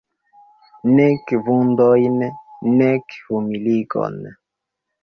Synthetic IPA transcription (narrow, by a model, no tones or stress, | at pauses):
nɛkvund̪ɔjnɛnɛkvumilikɔ̰n